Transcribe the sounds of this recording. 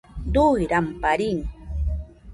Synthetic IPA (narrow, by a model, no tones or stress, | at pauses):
d̪ujɾampaɾiŋ